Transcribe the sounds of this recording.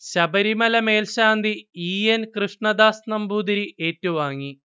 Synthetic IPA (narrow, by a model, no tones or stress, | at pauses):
ɕɐbɐɾimɐlɐmeːlɕaːnd̪iiːenkrɨʂɳɐd̪aːsnɐmbuːd̪iɾie̞ːtːɐʋumaːŋːi